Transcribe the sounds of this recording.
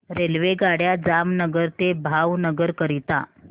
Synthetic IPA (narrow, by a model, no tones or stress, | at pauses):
ɾelʋeɡaɽjad͡zamnəɡəɾt̪ebʱawnəɡəɾkəɾit̪a̰